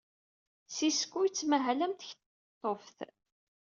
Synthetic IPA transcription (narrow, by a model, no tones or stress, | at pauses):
siskʷːujt͡sːmæɦælæmt̪əçt̪ | t̪ˤːofθ